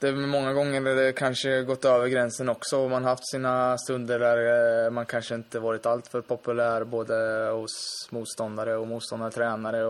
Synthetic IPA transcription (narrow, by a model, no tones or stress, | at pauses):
d̪̥ɛmɛmɔŋːaɡɔŋːəɖad̪ɛkʰanʂəɡɔt̪ːøːvəɾɡɾɛnsənɔksɔmanɾɦaft̪siːnast̪ɵnd̪əɖæɾmankʰanʂəɪnt̪əvɑːɾɪt̪alt̪fœɾpʰɔpɵlæːɾboːd̪əhɔsmuːt̪st̪ɔnd̪aɾəɔmuːt̪st̪ɔnd̪aɾət̪ʰɾɛːnaɾə